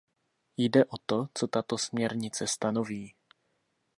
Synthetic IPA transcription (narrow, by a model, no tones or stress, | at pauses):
jdɛʔot̪ot͡sot̪at̪osmɲɛɾɲɪt͡sɛst̪anoviː